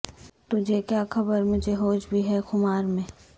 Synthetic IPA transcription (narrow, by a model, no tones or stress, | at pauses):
t̪ʊd͡ʒʱekjaːxɐbəɾmʊd͡ʒʱeɦoːd͡ʒbʱiɦɛxʊmaːɾmẽː